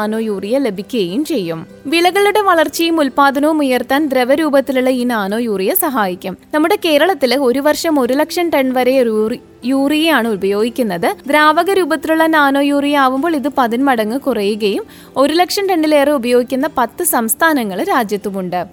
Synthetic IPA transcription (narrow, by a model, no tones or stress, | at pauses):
no̞ːjuːrijɐlebʱikʲːuɣɐjumt͡ɕe̞jːum | ʋiɭɐɣɐɭuɽe̞ʋɐɭɐrt͡ɕːɐjumulpaːd̪ʱɐnɐʋumujɐrt̪aːnd̪ɾeʋɐɾuːbɐt̪ːiluɭːɐiːnaːno̞ːjuːrijɐsɐɦaːjikʲːɐmnɐmːuɽe̞ke̞ːɾɐɭɐt̪ːilo̞ɾuʋɐrʂɐmo̞ɾulɐkʂɐɳʈɐɳɖʋɐɾe̞ | juːrijɐjaːɳɨubɐjo̞ːɡikʲːunːɐðɨd̪ɾaːʋɐɣɐɾuːbɐt̪ːiluɭːɐnaːno̞ːjuːrijaːʋumboːɭiðɨpɐðinmɐɽɐŋːɨkurɐjuɣɐjum | o̞ɾulɐkʂɐɳʈeɳɖile̞ːreubɐjo̞ːɡikʲːunːɐpɐt̪ːɨsɐmst̪ʰaːnɐŋːɐɭɾaːd͡ʑjɐt̪ːumuɳɖɨ